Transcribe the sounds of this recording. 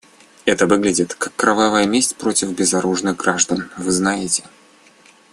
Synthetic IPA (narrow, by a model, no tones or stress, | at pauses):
ɛt̪əvɨɡlʲɪdʲɪt̪kakːɾɐvavəjəmʲesʲtʲpɾo̞tʲɪfbʲɪzɐɾuʐnɨɣɡɾaʐd̪ənvɨznajɪtʲɪ̥